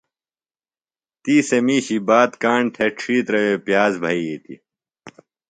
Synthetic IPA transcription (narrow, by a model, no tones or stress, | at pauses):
t̪iːsemiːɕibaːt̪kaːɳʈʰeʈʰʂiːt̪ɾɐweːpjaːzbʱɐiit̪ḭ